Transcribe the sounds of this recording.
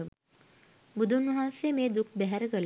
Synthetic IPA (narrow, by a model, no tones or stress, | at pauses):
bud̪ʱunʋəɦaːnsejəmeːd̪uk̚ʰbæɦæɾəkəl